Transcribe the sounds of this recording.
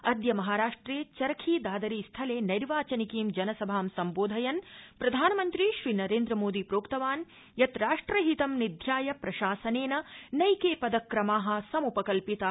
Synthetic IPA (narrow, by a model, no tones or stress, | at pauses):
ɐd̪ʱjɐmɐɦaːɾaːʂʈɾeːt͡ʃɐɾɐkʰiːd̪aːd̪ɐɾiːst̪ʰɐleːnɐɾʋaːt͡ʃɐnikiːmd͡ʒɐnɐsɐbʱaːmsɐmboːd̪ʱɐjɐnpɾɐd̪ʱaːnɐmɐnt̪ɾiʃɾiːnɐɾeːnd̪ɾɐmoːd̪ipɾoːkt̪ɐʋaːn | jɐt̪ɾaːʂʈɾɐɦit̪ɐmnid̪ʱjaːjɐpɾɐʃaːsɐneːnɐnɐjkeːpɐd̪ɐkɾɐmaːɦɐ̆sɐmupɐkɐlpit̪ɐ